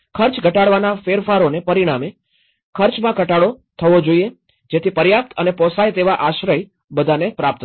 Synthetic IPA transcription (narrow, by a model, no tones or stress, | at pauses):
kʰəɾt͡ʃɡʱəʈaɽʋanafeɾfaɾonepəɾiɽ̃ame | kʰəɾt͡ʃmãkəʈaɽot̪ʰəʋod͡ʒoie | d͡ʒet̪ʰipəɾjap̚t̪ənepɔsajt̪eʋaʔaʃɾəj | bəd̪ʱanepɾap̚t̪